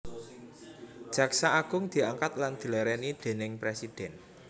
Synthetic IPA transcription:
d̥ʒ̥ä̤ksaaɡ̥ʊ̤ŋd̪̥i̤aŋkat̪land̪̥i̤lɛɾɛnid̪̥e̤nɪŋpɾesid̥ɛn

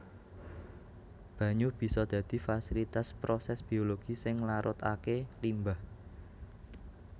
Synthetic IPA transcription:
b̥ä̤ɲub̥i̤sɔd̪̥ä̤d̪̥i̤fasilit̪aspɾosɛsb̥i̤oloɡ̥isɪŋlaɾʔʊt̪a̰kelimbah

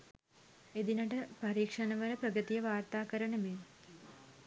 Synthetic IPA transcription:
ed̪inɐʈəpɐɾiːkʂɐnɐʋələpɾɐɡət̪ijəʋaːrt̪aːkəɾɐɳəme

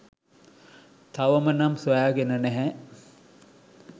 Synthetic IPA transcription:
t̪aʋəmənamsʋajaːɡenənæɦɛ

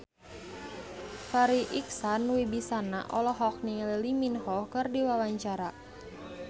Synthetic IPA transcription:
faɾiʔiksanwibisana̰ʔɔlɔɦɔk̚nililiminhɔkɨrdiwawaɲt͡ʃaɾa

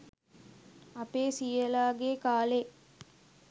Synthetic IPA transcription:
apeːsijəlaːɡeːkaːle

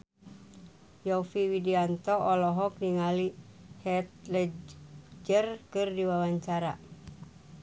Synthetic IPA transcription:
jɔfiwidiant̪ɔʔɔlɔɦɔk̚diŋalihɛt̪̚lɛ | d͡ʒərkɨrdiwawaɲt͡ʃaɾa̰

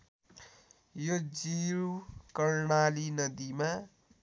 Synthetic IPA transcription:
jod͡ziɾkʌrɳalinʌd̪ima

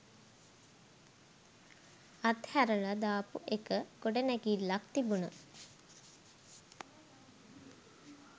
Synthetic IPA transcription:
at̪hæɾəɭad̪aːpuʔekəɡoɖənækiːlːakt̪ibunə

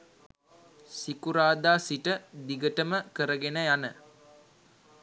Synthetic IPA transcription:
sikuɾaːd̪aːsiʈəd̪iɡəʈəməkəɾəɡenəjanə

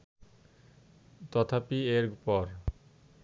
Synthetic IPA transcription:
t̪ɔt̪ʰapieɾpɔɾ

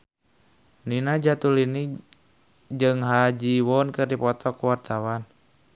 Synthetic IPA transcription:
ninad͡ʒat̪ulini | d͡ʒɨŋɦad͡ʒiwɔnkɨrdipɔt̪ɔkuwart̪awan

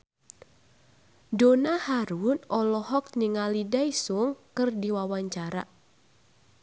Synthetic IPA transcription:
donahaɾuʊnɔlɔhɔk̚niŋalidaisuŋkɨrdiwawaɲt͡ʃaɾa̰

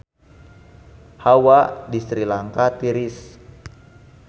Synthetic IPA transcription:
hawadisɾilaŋkat̪iɾis

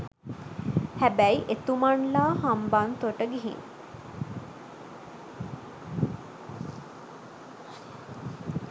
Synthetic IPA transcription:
hæbæjiʔet̪umaɳlaːhambant̪oʈəɡiɦḭŋ

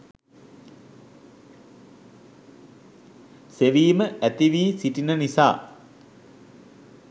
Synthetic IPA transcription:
seʋiːməʔæt̪iʋiːsiʈinənisa̰ː

